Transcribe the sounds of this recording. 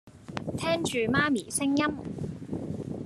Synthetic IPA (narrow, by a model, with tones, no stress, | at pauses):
t̪ʰɛː˥ŋt͡ʃyː˨maː˥miː˨˩sɪ˥ŋjɐ˥m